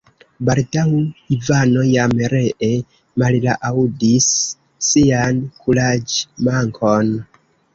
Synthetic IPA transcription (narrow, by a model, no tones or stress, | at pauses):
baldawivano̞jamɾe̞ʔe | mallaʔawudisː | iankʰulad͡ʒmaŋkʰo̞n